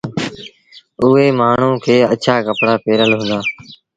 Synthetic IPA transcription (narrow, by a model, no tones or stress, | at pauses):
ʊɦeːmaːɳ̤ũːkʰeːət͡ʃʰaːkəpɽaːpeːɾəlɦũːnd̪aː